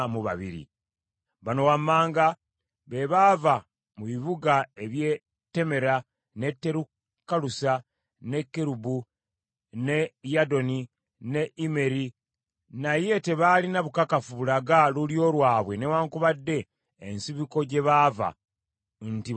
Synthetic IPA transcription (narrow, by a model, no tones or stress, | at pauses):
muβa̰βḭɾḭ | βano̞wamːaːŋɡa | βe̞βaːva | muβiβuɡae̞βje | tːe̞me̞ɾa | ne̞tːe̞ɾu | kːalusa | ne̞kːeɾubu | ne̞jado̞ni | ne̞ʔime̞ɾi | naje̞te̞βalinaβukakafuβulaɡaluljo̞ːlwaːβwe̞newaːŋkuβadːe̞ː | nsiβiko̞ɟe̞βaːva̰ | nti